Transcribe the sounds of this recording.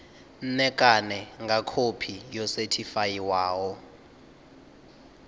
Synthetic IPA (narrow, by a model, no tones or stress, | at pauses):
n̩nɛkʼanɛŋɡakʰopʰijɔsetʰifajiwaːwɔ